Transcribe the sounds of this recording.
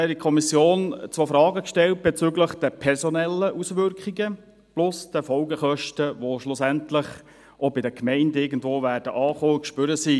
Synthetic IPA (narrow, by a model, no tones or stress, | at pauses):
ɛikʰɔmisjoːnt͡sʋofɾɑːɡəkʃtɛlt̚b̥ɛt͡syɡləχd̥ɛpʰɛɾsɔnɛlːəʔusʋʏɾkχiɡə | plʊsd̥əfɔlɡəχœʃtəʋoʃlʊsæntləχ | ɔbɪdəkʰmɛɪndɪɾɡən̩dvoːʋæːrd̥əʔɑːχoːkʃpʏɾəsi